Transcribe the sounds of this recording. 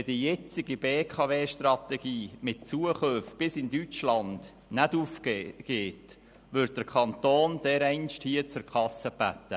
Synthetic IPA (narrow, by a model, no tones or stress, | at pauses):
ɛdijɛt͡sɪɡibeːkʰɑveːʃtrɑt̪ɛɡ̥iːmɪt̚t͡suəχøfb̥ɪsɪndyt͡ʃlɑnd̥ | nædufkːɡ̥eːt | ʋʏɾt̚d̥əɾkʰχɑnt̪oːnd̥̪ɛɾɛɪnʃthiət͡sʊɾkʰɑsəb̥æt̪ːə